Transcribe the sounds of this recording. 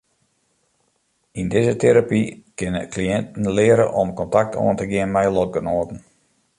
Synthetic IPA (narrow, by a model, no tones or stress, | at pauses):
indɪzətʰeɾapikɪnəkʰliɛntn̩lɪəɾə̰ʔɔmkɔntak̚tʰo̰əntəɡɪənmɛjlɔt̚ɡənoətn̩